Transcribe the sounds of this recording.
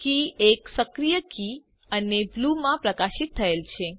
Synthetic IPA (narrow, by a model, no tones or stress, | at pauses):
kieksəkɾijəki | əneblumãpɾəkaʃit̪ʰːəelt͡ʃʰe